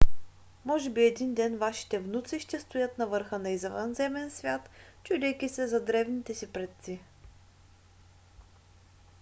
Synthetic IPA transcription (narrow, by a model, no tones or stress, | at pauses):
mɔʒɛbiɛd̪ind̪ɛnvaʃi̥t̪ɛvnut̪siʃt̪ɛst̪ʊjɤt̪nɐvɤɾxənɐizɛvə̰nzɛmɛnsvʲjat̪t͡ʃud̪ʲɛjkʲisɛzɐd̪ɾɛvnit̪ɛsipɾɛt̪si